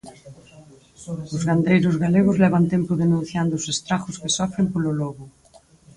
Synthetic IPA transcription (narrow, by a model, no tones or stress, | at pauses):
ʊzɣand̪ejɾʊzɣaleɣʊzlɛβ̞ant̪empʊðenũn̟θjand̪ʊːsest̪ɾaxʊskesɔfɾempololɔɣʊ